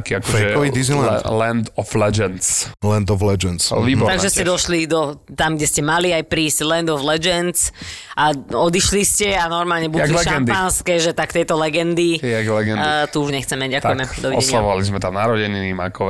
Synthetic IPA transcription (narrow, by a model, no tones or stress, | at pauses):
kiakɔɛɛɔʋid̪iznilɛnd̪ɔflɛd͡ʒɛnt͡slɛnd̪ɔvlɛd͡ʒɛnt͡sʋiːbɔɾt̪aɡʒɛscɛd̪ɔʃlid̪ɔt̪amɡɟɛscɛmaliajpɾiːsɟlɛnd̪ɔvlɛd͡ʒɛnt͡sʔaɔd̪iʃliscɛanɔɾmaːlɲɛbuad̪lɛʃɡɛnd̪anskɛʒɛt̪akt̪ɛjt̪ɔlɛɡɛnd̪iɛɡlɛɡɛnt̪uuʒɲɛxt͡sɛmɛɟɟakt̪ujɛmɛd̪ɔʋiɔɛsɲɪaʋɔʋalizmɛt̪amnaɾɔɟɛɲinima̰kɔʋ